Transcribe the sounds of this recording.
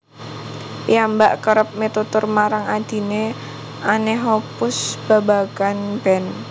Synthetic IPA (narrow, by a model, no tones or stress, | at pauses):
jambaʔkəɾəp̚met̪ut̪ʊrmaɾaŋad̪̥i̤ne | aneɦopʊsb̥a̤ba̤ɡ̥anb̥ɛn